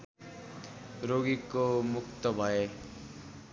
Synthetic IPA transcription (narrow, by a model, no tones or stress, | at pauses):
ɾoɡikomukt̪ʌbʱʌe